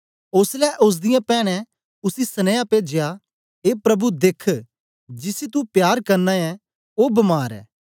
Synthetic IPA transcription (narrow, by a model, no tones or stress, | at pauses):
ʊslɛʔʊs̬d̪ɪjãpɛːɽ̃ɛ̃ | ʊsisɐnɛ̃japeːd͡ʒɪja | eːpɾɐbud̪ekʰ | d͡ʒɪsit̪̬upjaːɾkɐɾnaɛ | oːbɐmaːɾɛ̰ː